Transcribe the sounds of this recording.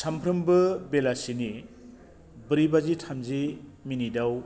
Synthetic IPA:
sampʰɾɯmbɯbelasini | bɯɾibazitʰamziminidaw

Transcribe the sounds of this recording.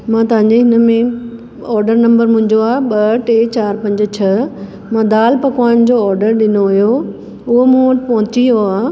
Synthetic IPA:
mãːt̪ɐʋ̤ãɲd͡ʑeɦɪnəmẽ | ɔːɾɖəɾnɐ̃mbəɾmʊ̃ɦɪ̃ɲd͡ʑoaːɦɓɐʈeːt͡ɕaːɾpɐ̃ɲd͡ʑ̆t͡ɕʰɐ | mãːd̪aːlpɐkʋaːɪñd͡ʑoɔːɾɖəɾɗɪnoʊjo | ʊɦomũːəʈɪpɐɦʊ̃t͡ɕijoaː

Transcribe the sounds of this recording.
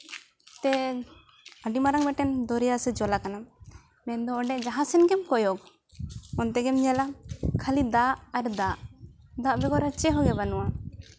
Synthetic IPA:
t̪ɛ | əɖimaɾaŋbɛʈɛnd̪ɔɾɛjasɛd͡ʒɔlakana | mɛnd̪ɔːɖɛʔd͡ʒaɦãsɛnɡɛmkɔjɔk̚ | ɔnt̪ɛɡɛmɲɛlakʰalid̪aʔaɾd̪aʔd̪aʔbɛɡɔɾat͡ʃɛɦɔɡɛbanuwa

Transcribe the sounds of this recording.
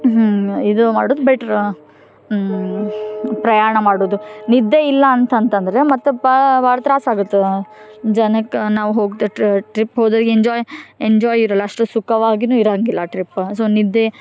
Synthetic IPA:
id̪umaːɽoːd̪ubeʈɾ | pɾɐjaːɾɐɳɐmaːɽoːd̪unid̪ːeilːɐːnt̪ɐnt̪ɐnd̪ɐɾemɐt̪ːubaːɭɐt̪ɾaːsaːɡut̪ːed͡ʒɐnɐkːnaːʋuɦoːɡt̪ːeʈɾipɦoːd̪ɐɾɡeɲd͡ʒɔːjeɲd͡ʒɔːjiɾɐlːɐɐʂʈusukɐʋaːɡinuːiɾɐɐŋɡilːɐʈɾipːsoːnid̪ːe

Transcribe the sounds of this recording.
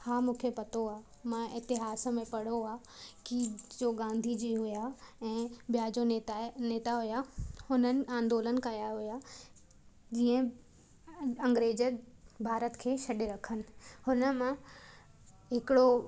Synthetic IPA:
haːmũːkʰepɐt̪oaː | mãɪt̪ɪɦaːsəmẽpɐɽ̤oaː | kid͡ʑoːɡãːnd̪ʱid͡ʑiːɦʊjaɛ̃ːbijad͡ʑoet̪aneːt̪aɦʊjahʊnənɪ̆ãːnd̪oːlənɪ̆kɐjaɦʊja | d͡ʑiːə̃ | ɐ̃ŋɡɾeːd͡ʑəbʱaːɾət̪kʰeːʃɐɗeɾɐkʰənɪ̆hʊnə̆mã | ɦɪkɪɽo

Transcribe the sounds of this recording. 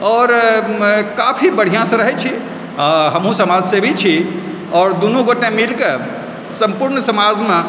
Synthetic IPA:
ɔɾ | kapʰibəɽ̤ijãsə̃ɾəɦɛt͡ʃʰi | aɦəmɦũsəmad͡ʒsebʱit͡ʃʰi | ɔːɾd̪unũɡoʈemilke | səmpuɾnsəmad͡ʒme

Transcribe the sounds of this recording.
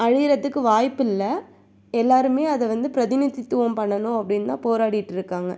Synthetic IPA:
ɐɻɪjɪɾɐðɯkːɯʋaːjpːɪlːɐ | ɛlːaːɾɯmeːɐðɛʋɐnd̪ɯpɾɐðɪnɪðɪt̪ːɯʋɐmpɐɳːɐnʊ̃ɐpːɐɽɪnt̪ã̰ːpoːɾaːɽɪɪʈːɪɾɯkːaːŋɡɐ

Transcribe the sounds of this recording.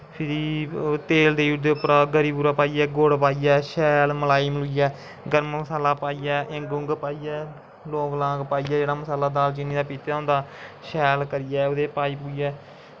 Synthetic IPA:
pʰɪɾiːt̪eːld̪eːuːɾd̪eːʊpəɾaːɡəɾiːbuːɾaːpaːiːɛːɡoːɽpaːijɛːʃɛːlməlaːiːmluːijɛː | ɡəɾmməsaːlaːpaːiːɛːʔɪŋɡʊ̃ŋɡpaːiːɛː | loːklãːɡpaːiːɛːd͡ʒeːɽaːməsaːlaːd̪aːlt͡ʃɪnːiːd̪aːpiːt̪ːõʊ̃ːnd̪aːʃɛːlkəɾɪjɛːoːd̪eːpaːiːp̬uːijɛː

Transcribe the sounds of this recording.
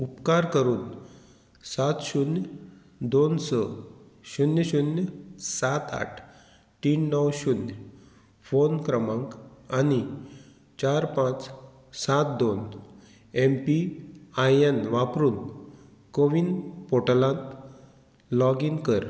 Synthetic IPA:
upkaɾkəɾuːn | sat̪ɕunj | d̪onsəɕunjəɕunjsat̪a̰ʈʰ | t̪iːnːəwɕunj | fonkɾəmãŋkani | t͡ɕaɾpãt͡s | sat̪̚d̪on | empiajenʋapɾuːn | koʋinpoʈlãn | lɔɡinkəɾ

